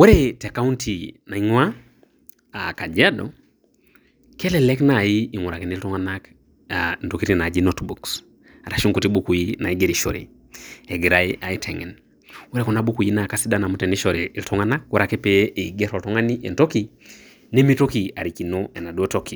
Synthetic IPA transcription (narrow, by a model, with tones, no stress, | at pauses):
we˦ɾeta˨ka˦u˦ntina˨i˦ŋwa˦ | aka˨d͡ʒa˦dɔ̰˨ | kɛ˦lɛ˨lɛ˦knajiː˦˨ŋu˨ɾa˨ke˨ni˦ltɔ˦ŋanak | anto˨ki˦ti˨na˨d͡ʒi˦notbuks | a˨ɾa˨ʃo˦ŋko˨ti˦buku˨jina̰˨iɡe˦ɾiʃɔ˨ɾḭ˨ | e˨ɡi˨ɾa˦iʔa˨i˦tʰɛ˨ŋɛ̰˨n | we˦ɾe˦kɔ˨na˦bu˦ku˨ji˦na˨ka˦si˦dana˨mu˦tɛ˨ni˦ʃɔ˨ɾeː˨ltʰɔ˦ŋa˦na˦k̚wɔ˦ɾake˦peː˨ɡɛ˦ɾɔ˨ltɔ˦ŋa˦niḛntoki | ne˦mi˦tokia˨ɾiki˨noɛ˨na˨du˦otoki